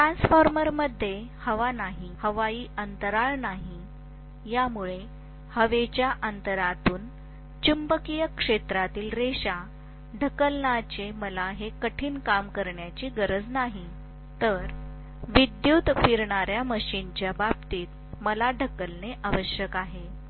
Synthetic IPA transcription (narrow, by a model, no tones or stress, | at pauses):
ʈɾãnsfɔɾməɾməd̪ʱːjehəʋanaɦihəʋaiːʔənt̪əɾaɭnaɦi | jamuɭe | həʋet͡ɕjaʔənt̪əɾat̪uːn | t͡ɕumbəkijəkʂet̪ɾat̪iːlɾeɕa | ɖʱəkəlnat͡ɕeməlaɦekəʈʰiːnkamkəɾɳjat͡ɕiːɡəɾəd͡znaɦi | t̪əɾ | ʋid̪jut̪fiɾɳaɾjaməɕint͡ɕjababt̪iːt̪̚ | məlaɖʱəkəlneʔaʋəɕjəkaɦe